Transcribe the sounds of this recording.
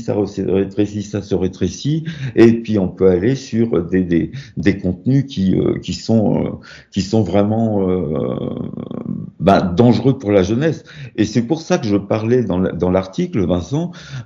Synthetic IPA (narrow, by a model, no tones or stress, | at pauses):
sa̰ʁəsə̰ʁet̪χesisasəʁet̪χesiepɥiɔ̃pøalesyʁd̪ed̪ed̪ekɔ̃t̪̚nykʲiø̰kʲisɔ̃ø̰ | kʲisɔ̃vʁɛmɑ̃ø | bɛd̪ɑ̃ʒʁøpuʁlaʒənɛs | esɛpuʁsakəʒəpaʁlɛd̪ɑ̃ld̪ɑ̃laʁt̪ikləvɛ̃sɑ̃